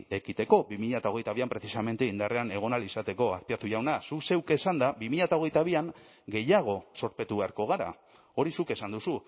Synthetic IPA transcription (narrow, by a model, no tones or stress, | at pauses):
e̞kit̪e̞ko̞bimiʎat̪ao̞ɣ̞e̞jt̪aβiampɾe̞θisame̞nt̪eind̪are̞ane̞ɣ̞o̞nalisat̪e̞ko̞aθpiat̪uʝawnasuse̞wke̞sand̪abimiʎat̪ao̞ɣ̞e̞jt̪aβ̞iaŋ | ɡe̞jaɣ̞o̞so̞ɾpe̞t̪uβe̞aɾko̞ɣ̞aɾa̰ | o̞ɾisuke̞sand̪usu